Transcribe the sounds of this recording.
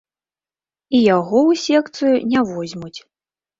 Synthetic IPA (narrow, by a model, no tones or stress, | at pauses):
ijaɣɔwsʲɛkt̪sɨjunʲavɔzʲmut͡sʲ